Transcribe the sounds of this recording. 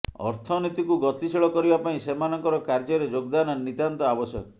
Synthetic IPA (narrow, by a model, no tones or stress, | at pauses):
ɔ̰ɾt̪ʰɔnit̪ikuɡɔt̪isiɭɔkɔɾibapaĩsemanɔŋkɔɾɔkaɾd͡ʒɔɾed͡ʒoɡd̪anɔnːit̪ant̪ɔabɔsjɔ̰k